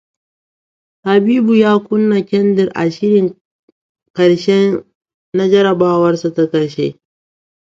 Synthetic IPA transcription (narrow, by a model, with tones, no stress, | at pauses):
ha˨biː˦bu˨jaː˦kʷʊ˦nːa˨kʲɛ˦ndɪ˨rʔa̰˨ʃɪ˦ɾɪ˨ŋ | kɐ˨ɽʃɛ˦ | na˦d͡ʒɐ˦ɾɐ˨baː˦wɐ˦rsa˨ta˦kɐ˨ɾʃḛː˦